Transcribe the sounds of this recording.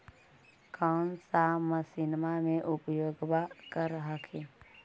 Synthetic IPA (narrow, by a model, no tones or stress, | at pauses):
kʰansaməsɪnmamẽʔʊpjoːɡbakəɾəɦakʰe